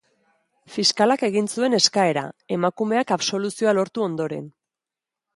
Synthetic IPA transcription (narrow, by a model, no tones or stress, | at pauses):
fiskalake̞ɣinsue̞ne̞skae̞ɾa̰e̞makume̞akaβso̞lusio̞alo̞ɾt̪uo̞nd̪o̞ɾe̞̰n